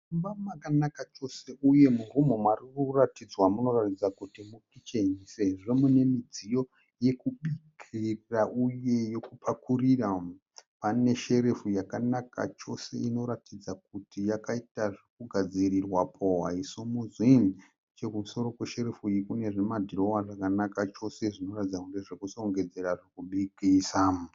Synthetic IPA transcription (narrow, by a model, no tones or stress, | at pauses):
umbamakanakat͡ʃo̞se̞ʔuje̞murumo̞mwarikuratid͡zwamuno̞ratid͡zakutimukit͡ʃeɲiseʐemune̞mid͡zijo̞ | je̞kuɓikʰiraʔuje̞jo̞kupʰakurira | pane̞ʃe̞ɾe̞fujakanaka̰t͡ʃo̞se̞̰ino̞ɾatid͡zak̚utijakaitaʐikuɡʱad͡ziɾirwapʰowaisumuzwin | t͡ʃe̞kumuso̞ɾo̞kweʃe̞ɾefuikune̞ʐimadʱiro̞waʐakanakat͡ʃo̞se̞ʐino̞ratid͡zakuneʐekusoŋɡe̞d͡ze̞ɾaʐikuɓikisam